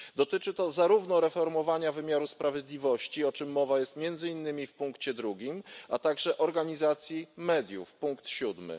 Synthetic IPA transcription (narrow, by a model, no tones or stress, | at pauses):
d̪ɔt̪ɘt͡ʂɘt̪ɔzaɾuvnɔɾɛfɔɾmɔvaɲavɘmʲjaɾuspɾavʲjɛd̪lʲivɔɕt͡ɕiɔt͡ʂɘmːɔvajɛst̪mʲjɛnd̪zɘinːɘmʲifpuŋkt͡ɕɛd̪ɾuɡʲimat̪aɡʐɛʔɔɾɡaɲizat̪sʲjimɛd̪ʲjṵfpuŋkt̪ɕud̪mɘ̰